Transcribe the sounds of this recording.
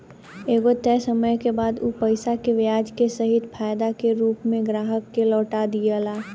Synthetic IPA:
eːɡot̪ɛːsəməjkebaːd̪uːpəɪsakeʋjaːd͡ʒkesəɦɪt̪pʰaːjd̪akeɾuːpmẽɡɾaːɦəkːelɔːʈad̪ijəlaː

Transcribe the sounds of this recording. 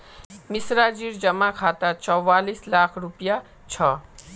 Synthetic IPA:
misɾad͡ʒiɾd͡ʒʌmakʰat̪at͡sʌwːalislakʰɾupja | t͡sʰʌ

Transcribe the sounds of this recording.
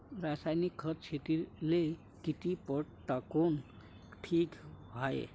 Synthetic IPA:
ɾasajnikʰːʌtt͡ʃʰet̪ile | kit̪ipəɽt̪akon | ʈʰikbʱajḛ

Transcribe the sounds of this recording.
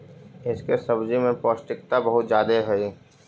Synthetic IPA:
ɪskesɐbd͡ʒimẽpɔːsʈɪkt̪abɐɦʊt̪d͡ʒjaːd̪eɦɛi

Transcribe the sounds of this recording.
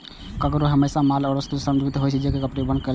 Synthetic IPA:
kəkɾoɦəmeːsamaːlɔːɾəst̪usəmd͡ʒuɡt̪ɦoːjt͡ʃʰid͡ʒekekəpɽebənkəl

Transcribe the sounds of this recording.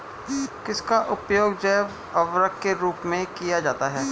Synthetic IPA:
kɪskaʔʊpjoːɡd͡ʒɛːʋ | ɐʋɾəkkeɾuːpmẽkijad͡ʒaːt̪aɦɛː

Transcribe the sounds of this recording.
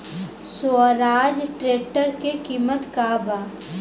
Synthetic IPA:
soɾaːd͡ʒʈɾeːʈəɾkekiːmət̪kaːbaː

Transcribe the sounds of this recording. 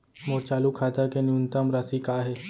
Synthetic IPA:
moːɾt͡ʃaːlukʰaːt̪akenjunt̪əmɾaːsikaːɦeː

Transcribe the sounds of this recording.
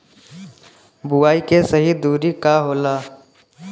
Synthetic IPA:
bʊaːikesəɦid̪uːɾikaɦoːlaː

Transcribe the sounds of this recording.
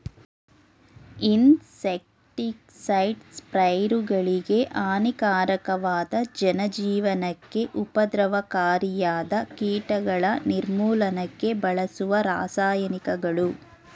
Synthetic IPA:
insek̚ | ʈik | sɐjʈspɾɐjɾuɡɐɭiɡe̞ʔaːnikaːɾɐkɐʋaːd̪ɐd͡ʒɐnɐd͡ʒiːʋɐnɐkːe̞ʔupɐd̪ɾɐʋɐkaːɾijaːd̪ɐkiːʈɐɡɐɭɐniɾmuːlɐnɐkːe̞bɐɭɐsuʋɐɾa̰ːsaːjɐnikɐɡɐɭu

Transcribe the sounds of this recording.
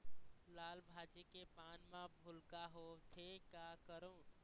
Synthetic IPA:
laːlbʱaːd͡ʒekepaːnmãbʱʊlkaɦot̪ʰekakəɾõː

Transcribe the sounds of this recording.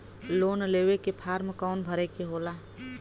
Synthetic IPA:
loːnleːwekepʰaːɾmkaʊnbʱəɾekeɦoːlaː

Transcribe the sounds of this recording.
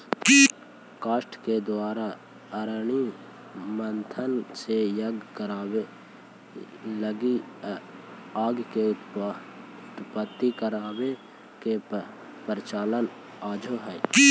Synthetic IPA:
kaːʃʈked̪waːɾa | əɾɳi | mənt̪ʰənsejəɡkəɾaːwe | ləɡi | aːɡke | ʊt̪pət̪ːikəɾaːwe | ke | pəɾɪt͡ʃaːlən | aːd͡ʒʱoɦɛː

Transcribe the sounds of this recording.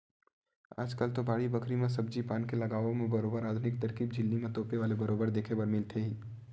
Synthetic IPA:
a̰ːd͡ʒkəlt̪obaːɽibɐkʰɾimẽs̬ɐb̚d͡ʒipaːnkelɐɡaːʋomẽbɐɾoːbəɾaːd̪ʱʊnɪk̚t̪ɐɾkiːb̚d͡ʒʱɪlːimẽt̪oːpeʋaːlebɐɾoːbəɾd̪eːkʰebɐɾmɪlt̪ʰeɦĩː

